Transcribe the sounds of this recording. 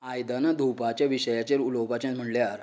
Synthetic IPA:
ajd̪anad̪ʱupat͡ɕjaʋiɕəjat͡ɕaɾulowpat͡ɕãm̤əɳljaɾ

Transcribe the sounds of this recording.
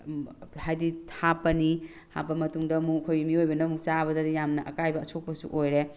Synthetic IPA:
hajdiapːɐni | tʰa̰pːɐmɐtuŋdɐmukʰojmiojbɐnɐmukt͡ʃaβɐdɐdijamnɐʔɐ̰kajbɐɐsok̚pɐsṵʔojɾe

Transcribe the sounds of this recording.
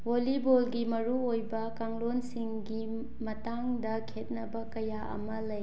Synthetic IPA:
wolibolɡimɐɾuojbɐkaŋlonsiŋɡi | mɐtaŋdɐkʰet̚nɐbɐkɐjaʔɐ̰mɐlɐj

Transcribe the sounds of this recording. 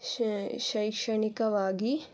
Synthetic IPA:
ʃɐjkʂɐɳikɐʋaːɡi

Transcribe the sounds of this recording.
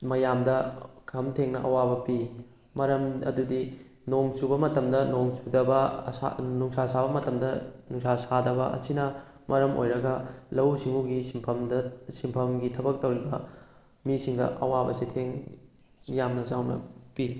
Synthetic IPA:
mɐjamdɐkʰɐmtʰeŋnɐ̰ʔɐ̰wabɐpi | mɐɾɐmɐdudi | noŋsubɐmɐtɐmdɐnoŋsudɐbɐa̰nuŋsasabɐmɐtɐmdɐnuŋsasadɐbɐʔɐ̰sinɐ | mɐɾɐmʔo̰jɾɐɡɐlɐwsiŋuɡisimpʰɐmdsimpʰɐmɡitʰɐbɐk̚tɐwɾibɐ | misiŋdɐ̰ʔɐ̰wabɐsitʰeŋ | jamnɐzawnɐ̰pi

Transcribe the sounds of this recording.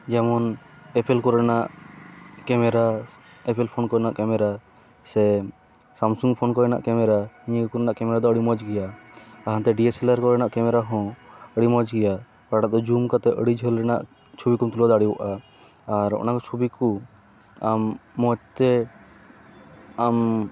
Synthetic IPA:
d͡ʒɛmɔn | ɛpʰɛlkɔɾɛnaʔ | kɛmɛɾa | ɛpʰɛlpʰɔnkɔjɛnaʔkɛmɛɾa | sɛ | samsuŋɡpʰɔnkɔjɛna̰ʔkɛmɛɾaiəɡkuɾɛnaʔkɛmɛɾad̪ɔəɽimɔd͡ʒɡɛjaːɦãnt̪ɛɖiesɛlaɾkɔɾɛnaʔkɛmɛɾaɦɔ̃əɽimɔd͡ʒɡɛja | paʈaʔd̪ɔd͡ʒumkat̪ɛʔəɽid͡ʒʱəlɾɛna̰ʔ | t͡ʃʰubikumt̪ulad̪aɽiwɔʔaː | ɾɔ̰nakɔt͡ʃʰubiku | amːɔd͡ʒt̪ɛ | am

